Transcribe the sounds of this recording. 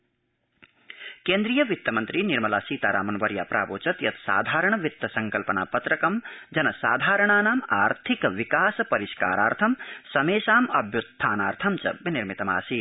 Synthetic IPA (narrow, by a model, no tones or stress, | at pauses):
keːnd̪ɾijɐʋit̪jɐmɐnt̪ɾiniɾmɐlaːsiːt̪aːɾʔa̰ːmɐnʋɐɾja̰ːpɾʔa̰ːbo̰ːt͡ʃɐt̪jɐt̪sa̰ːd̪ʱaːɾəɳ̃ʋit̪jɐsɐŋkɐlpɐna̰ːpɐt̪ɾɐkɐmd͡ʒɐnɐsaːd̪ʱaːɾəɳ̃aːnaːmaːɾt̪ʰikʋikaːspɐɾiʃka̰ːɾa̰ːɾt̪ʰɐmsɐmeːʃaːmɐbjut̪ʰːaːnaːɾt̪ʰɐmt͡ʃɐ̰biniɾmit̪ɐma̰ːsiː